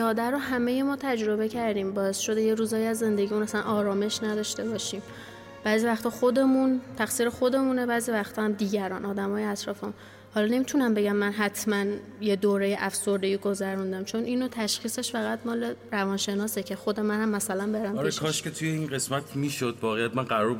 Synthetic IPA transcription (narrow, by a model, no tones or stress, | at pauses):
ɒːd̪æɾoɦæmejemɒːt̪ʰæd͡ʒɾo̞be̞cʰæɾd̪iːmbɒːe̞sʃo̞d̪ejeɾuːzɒːjæzːe̞nd̪e̞ɟimuːnæsænʔɒːɾɒːme̞ʃnæd̪ɒʃt̪e̞bɒːʃiːm | b̥æːziːvæxt̪ʰɒːxo̞d̪e̞munt̪ʰæxsiːɾexo̞d̪e̞munebæːziːvæxt̪ʰɒːhæmd̪iːɟæɾɒːnʔɒːd̪æmɒːjeæt̪ʰɾɒːfemun | hɒlɒne̞miːt̪ʰunæmbe̞ɟæmːænɦæt̪ʰmæn | je̞d̪oːɾe̞jeʔæfso̞ɾd̪eiːɡo̞zæɾund̪æmt͡ʃʰo̞nʔiːnot̪ʰæʃxiːse̞ʃfæɣæt̪mɒːle̞ɾævɒːnʃe̞nɒːsecʰe̞xod̪e̞mænhæmːæsælænbeɾæmɾeʃkʰɒʃkʰet̪ʰujeinɢe̞smæt̪ʰmiːʃod̪̚bɒːɣejæt̪̚mænɢæɾɒɾb